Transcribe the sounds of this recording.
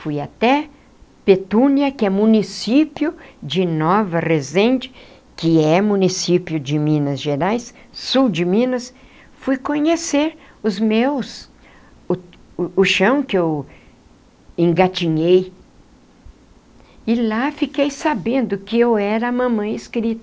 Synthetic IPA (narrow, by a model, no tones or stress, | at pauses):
fujat̪ɛ | pet̪ũniɐkɪɛmũnisipjʊd͡ʒɪnɔvɐrezẽnt͡ʃɪ̥ | kɪɛmũnisipjʊd͡ʒɪmĩnɐzʒeɾajsː | uwd͡ʒɪmĩnɐs | fujkõɲeseɾ | ʊzmews | ʊʊʃɐ̃w̃kɪew | ẽŋɡat͡ʃiɲej | ɪlafikejsabẽnd̪ʊkɪewɛɾɐːmɐ̃mɐ̃ɪskɾit̪ɐ